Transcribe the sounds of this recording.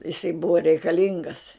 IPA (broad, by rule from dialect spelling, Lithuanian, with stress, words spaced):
jɪˈsɐɪ ˈbʊʋɐ rʲɛɪkɐˈlʲɪŋɡɐs